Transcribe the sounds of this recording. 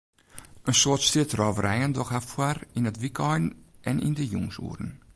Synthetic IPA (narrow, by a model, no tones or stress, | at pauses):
ʔənsoətstɪtrɔːvəɾʔɛjəndɔxhafwarinətʋikʰɔjnɛnʔḭndəjuŋsṵːɾən